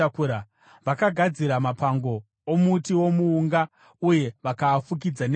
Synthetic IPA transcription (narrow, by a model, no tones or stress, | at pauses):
akuɾa | ʋakaɡʱad͡ziɾamapaŋɡo̞ː | mutiwo̞muːŋɡa | uje̞ʋakaːfuk̬id͡zan